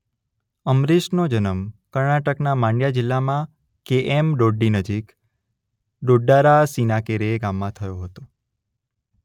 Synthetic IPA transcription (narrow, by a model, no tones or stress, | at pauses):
əmɾiʃnod͡ʒənəmkəɾɳaʈəknamãɳɖjad͡ʒɪlːamã | keʔemɖoɖːinəd͡ʒik | ɖoɖːaɾasinakeɾeɡamːãt̪ʰəjoɦət̪o